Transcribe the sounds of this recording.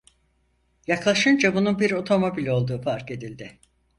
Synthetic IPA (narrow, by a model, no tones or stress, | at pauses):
jaklˠaʃɯnd͡ʒabununbiɾo̞t̪ʰo̞mo̞bilʲo̞lˠd̪uːfaɾke̞d̪ilʲd̪ɪ